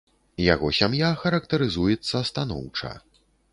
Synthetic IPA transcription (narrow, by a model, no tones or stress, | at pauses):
ja̰ɣɔsʲamjaxɐɾɐkt̪ɐɾɨzujɛt̪sːɐːst̪an̪ɔ̰wt͡ʂɐ̰